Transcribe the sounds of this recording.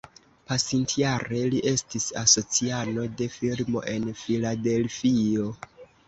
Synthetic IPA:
pasintjaɾe̞liʔe̞stisaso̞t͡siano̞de̞filmo̞̰ʔe̞nfilade̞lfio̞

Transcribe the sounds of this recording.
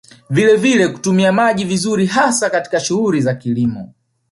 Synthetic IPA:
vilɛvilɛku̥tumiamaʄivizuɾiɦasakati̥kaʃuhuɾizakilimɔ̰

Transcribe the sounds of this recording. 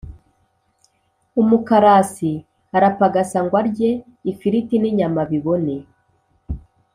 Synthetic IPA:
umukaɾasi | aɾapaɡasaŋɡwaɾɟe̞ | ifiɾitiniɲamaβiβo̞ne

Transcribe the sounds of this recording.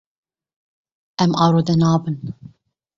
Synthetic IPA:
ʔɛmʔɑːɾod̪ɛnɑːbɨn

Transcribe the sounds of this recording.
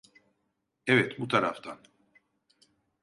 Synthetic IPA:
ɛvɛt̪ʰmut̪ʰaɾaft̪ʰan

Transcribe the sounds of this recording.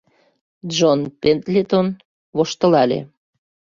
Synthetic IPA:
ʒonpent̪lʲet̪on | βoʃt̪ə̆lɑlḛ

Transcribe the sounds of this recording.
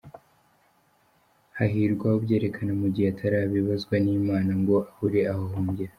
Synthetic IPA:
haɦiɾɡwahubɟe̞ːɾe̞kʰanamuɟihatʰaɾaːβiβazɡwaniːmaːnaŋɡo̞ʔahuɾe̞ahohoːɲɡeɾa

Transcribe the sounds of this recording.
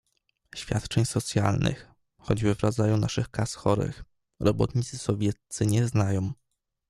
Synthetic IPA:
ɕfʲja̰t̪t͡ʂɛɲsɔt̪sʲjalnɘ̰x | xɔd͡ʑbɘvɾad̪zajuna̰ʂɘxkasxɔɾɘ̰x | ɾɔbɔ̰t̪ɲit̪sɘsɔvʲjɛt̪sɘɲɛznajɔ̃w̃

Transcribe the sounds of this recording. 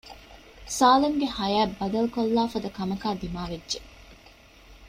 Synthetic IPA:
saːleŋɡehɐjæːbːɐd̪ɐlkolːaːfɐd̪ɐkɐmɐkaːd̪imaːʋedːʒe

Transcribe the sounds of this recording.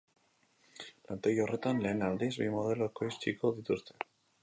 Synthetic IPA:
plant̪eɣore̞t̪anle̞ːnald̪izβimo̞ð̞e̞loekoist͡ʃiko̞ðit̪ust̪e̥

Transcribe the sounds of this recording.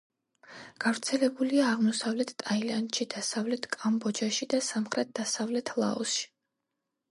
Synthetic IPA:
ɡ̥avɾt̪sʰɛlɛbuliaːʁmɔsavlɛt̪ʰt̪ʼailant̪ʃid̪̥asavlɛt̪ʰkʼambɔd͡ʒaʃid̪asamχɾɛt̪̚d̪̥asavlɛt̪ʰlˠa̰ɔsʃi̥

